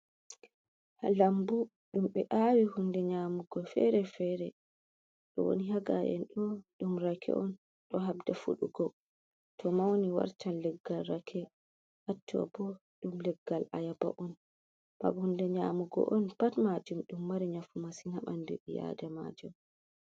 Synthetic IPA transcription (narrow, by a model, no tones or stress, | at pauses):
alambu | ɗumɓɛʔawihundɛɲaːmuɡɔfɛ̰ɾɛfɛɾɛ | ɗɔ̰wo̰niɦaɡaʔɛ̰nɗɔɗumɾakʰɛ̰ʔɔn | ɗɔɦab̚dafṵɗṵɡɔ | tʰɔmawoniwa̰ɾtanːɛɡːalɾakʰɛ | ʔatʰːɔ̰bɔ | ɗumlɛɡːalʔa̰jaba̰ʔɔn | ma̰ɓhundɛɲamuɡɔ̰ʔɔnpatmad͡ʒumɗumːaɾɛɲafumasinaɓandɛ̰ʔija̰dama̰d͡ʒum